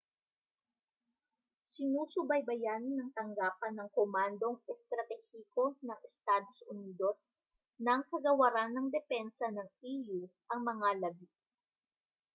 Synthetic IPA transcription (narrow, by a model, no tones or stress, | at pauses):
sɪnuːsʊbɐjbɐjanːɐŋt̪ɐŋɡaːpɐnːɐŋkomand̪o̞ŋɛst̪ɾɐt̪ɛhiko̞nɐŋɛst̪aːd̪o̞sʔʊniːd̪o̞s | nɐŋkɐɡɐwɐɾanːɐŋd̪ɛpɛnsɐnɐŋiːjuʔɐŋmɐŋalɐbi